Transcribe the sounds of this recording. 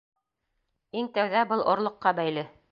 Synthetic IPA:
iŋt̪æwðæbɤlˠʔŏɾlˠɤ̆qːɑbæjlɘ

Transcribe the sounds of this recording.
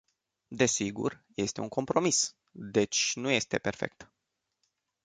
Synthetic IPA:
d̪e̞siɡṵrje̞st̪e̞uŋko̞mpɾo̞mis | d̪e̞t͡ʃʲnuje̞st̪e̞pe̞rfe̞̰k̚t̪

